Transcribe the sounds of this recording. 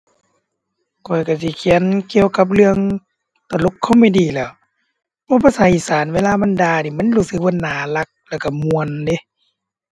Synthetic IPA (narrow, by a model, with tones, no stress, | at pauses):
kʰɔ˨˩jka˧˩si˧˦kʰi˨˦ə˦nki˧əwka˧˦p̬̚lɯ˧əŋ | t̪a˧˩˨lo˧˦kʰːɔ˧˨ma˧˨diː˧lɛː˧˩w | bʰɔː˧˦pʰa˧˨saː˨˦ʔiː˧˩saː˨˦nweː˧˥˨laː˧˨ma˧˨ndaː˧niː˨˩ma˧˥˨nɾuː˧˩sɯ˧˦k̚ba˧˨nːaː˨˦la˧˦k̚lɛː˧˩ka˧˩mu˧ənde˧˦